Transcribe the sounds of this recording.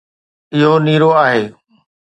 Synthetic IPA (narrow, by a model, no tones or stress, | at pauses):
ɪɦoniːɾoaːɦeː